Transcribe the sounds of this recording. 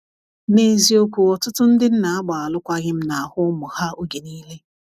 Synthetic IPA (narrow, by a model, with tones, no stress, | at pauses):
ne˦zi˦o˦kʷu˨ɔ˨tʊ˦tʊ˦n̩˦dɪ˦n̩˦na˨a˦ɡ͡ba˨a˨lʊ˦kʷa˦ɣɪ˦m̩˦na˨a˨hʊ˦mʊ˨ha˦o˦ɡe˨niː˦le˦